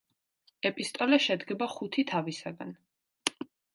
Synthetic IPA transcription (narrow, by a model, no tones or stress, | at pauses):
ɛpʼist̪ʼɔlɛʃɛd̪ɡɛbaχut̪ʰit̪ʰavisaɡa̰n